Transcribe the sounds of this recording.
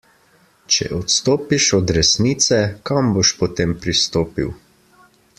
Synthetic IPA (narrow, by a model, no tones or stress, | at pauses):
t͡ʃɛ̰ʔɔt̪st̪oːpiʃɔd̪ɾɛsniːt̪sɛkamboʃpɔt̪eːmpɾist̪oːpḭw